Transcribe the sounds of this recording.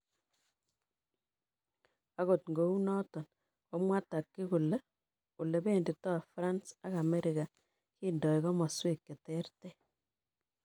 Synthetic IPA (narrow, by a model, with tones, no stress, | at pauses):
a˦ko˨tŋɡo˨˦u˦nɔ˦tɔ˨n | kɔ˦mwa˦ta˨kːɪ˦ku˨le˦ | u˨le˨be˦˨ndi˨tɔ˦˨fɾa˦nsa˦ka˨me˦ɾika˨ | ki˦ndɔ˨ikɔ˦ma˨swe˦kːe˨tɛ˦rte˦